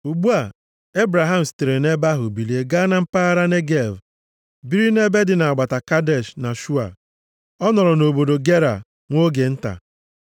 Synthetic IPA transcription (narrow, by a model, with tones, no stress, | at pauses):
u˨ɡ͡bu˦a˨ | e˦bɾa˨ɦa˦m̩˨si̥˨te˨ɾe˨ne˦ba˦ɦʊ̰˨bi˨li˦e˦ɡa˦na˦m̩˦pa˦a˦ɾa˦ne˦ɡe˦˨v | bi˦ɾi˦ne˦be˦dɪ˨na˨ɡ͡ba˨ta˨ka˦de˦˨ʃna˨ʃu˦a̰˨ | ɔ˦nɔ˨ɾɔ˨no˨bo˨do˨ɡe˦ɾa̰˨ | ŋʷo˦ɡe˨n̩˦ta̰˨